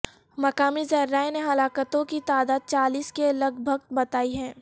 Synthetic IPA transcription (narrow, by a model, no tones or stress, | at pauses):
mɐkaːmizɐɾːaːeneɦɐlaːkət̪õkit̪aːd̪aːd̪̚t͡ʃaːliːskelɐɡbʱəɡbɐt̪aːiɦɛ̃ː